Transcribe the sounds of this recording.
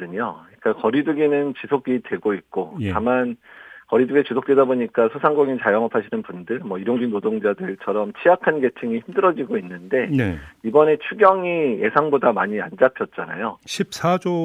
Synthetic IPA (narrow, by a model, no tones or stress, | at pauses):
ʌdɯɲoɲik͈akʌɾidɯɡinɯnt͡ɕisʰoɡidwe̞ɡoit̚k͈oamankʌɾidɯɡet͡ɕusʰok̚t͈we̞daboɲik͈asʰosʰaŋɡoŋint͡ɕajʌŋʌpʰaɕʰinɯnpundɯɭmʌiɾoŋd͡ʑɥinodoŋd͡ʑadɯɭt͡ɕʰʌɾʌmt͡ɕʰijakʰanɡe̞t͡ɕʰɯŋiçimdɯɾʌd͡ʑiɡoinːɯnde̞ibʌne̞t͡ɕʰuɡjʌŋije̞sʰaŋbodamaɲia̰nd͡ʑapʰjʌt̚t͡ɕ͈ana̰joɕʰip̚s͈ʰad͡ʑo